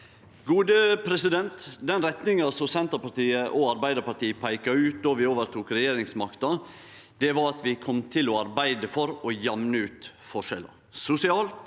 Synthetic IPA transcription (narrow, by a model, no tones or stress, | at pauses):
ɡuːd̪əpʰɾɛsɪd̪ɛnt̪d̪ɛnɾɛt̪nɪŋɑsɔsɛnt̪əɾpɑʈ̪iːəʔɔɑɾbæɪd̪əpɑɾʈ̪iːpʰæɪkɑʉːt̪̚d̪ɔʋɪoːʋəɾt̪ʰuːkɾɛjeːɾɪŋsmɑkt̪ɑ | d̪̥ɛʋɑɾɑt̪ʋɪkʰɔmt̪ʰɪlɔɑɾbæɪd̪əfɔɾɔjɑmnəʉːt̪fɔʂɛlə̰ | sʊsɪɑːlt̪